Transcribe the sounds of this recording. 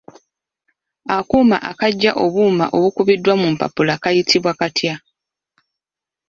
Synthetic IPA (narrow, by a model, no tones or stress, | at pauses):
akuːma̰ʔakaɟːaʔo̞βuːma̰ʔo̞βukuβidːwamumpa̰pulakajitʰiβwakatʰja